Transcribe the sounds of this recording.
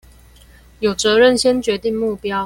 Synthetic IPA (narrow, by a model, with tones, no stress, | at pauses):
jo˨˩ʊt͡sɤ˨˦ɻə˥˨nɕjɛ˥nt͡ɕɥɛ˨˧˦t̪i˥˨ŋmu˥˨pjɑ˦ʊ